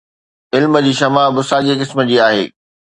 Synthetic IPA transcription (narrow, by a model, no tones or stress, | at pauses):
ɪlmə̆d͡ʑiːʃɐmabʊsaːɠekɪsmə̆d͡ʑiːaːɦḛː